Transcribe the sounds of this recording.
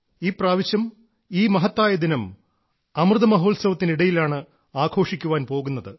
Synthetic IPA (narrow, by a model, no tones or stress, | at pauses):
iːpraːʋiɕjɐm | iːmɐɦɐt̪ːaːjɐd̪inɐm | ɐmrɨðɐmɐɦo̞ːlsɐʋɐt̪ːiniɽɐjilaːɳɨ | aːkʰo̞ːʂikʲːuʋaːnpo̞ːɣunːɐðɨ